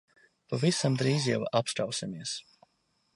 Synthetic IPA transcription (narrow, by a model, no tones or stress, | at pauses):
pavisamd̪ɾiːzja̰wapst̪ɾawsimiɛs